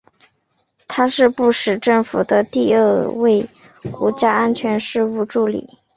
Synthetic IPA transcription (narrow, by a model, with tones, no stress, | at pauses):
t̪ʰa˥ʂɻ̩˥˧pu˥˩ʂɻ̩˨˩ʈ͡ʂɤ˥˩ŋfu˨˩d̪ə˦t̪i˥˧ə˥˧we˥˩ɪ | kwɔ̰˧˥t͡ɕja˥a˥nt͡ɕʰɥɛ˧˥nʂɻ̩˥˧u˥˧ʈ͡ʂu˥˩lḭ˨˩˦